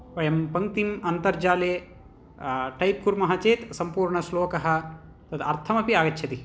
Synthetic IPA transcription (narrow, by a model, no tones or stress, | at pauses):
ʋɐjɐmpɐŋt̪imɐnt̪ɐɾd͡ʒaːleː | ʈɐjp̚kuɾmɐɦɐt͡ʃeːt̪sɐmpuːɾɳɐsloːkɐɦɐ̆ | t̪ɐt̪ɐ̰ɾt̪ʰɐmɐpiaːɡɐt͡ʃːʃʰɐt̪i